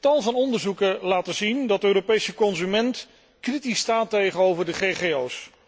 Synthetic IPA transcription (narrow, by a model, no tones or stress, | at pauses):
tɑlˠvɑnɔndəɹzukəlaːtəzindɑtəøːropejsəkɔnzymɛnt | kritistaːtejχənowvəɹdəχejχejows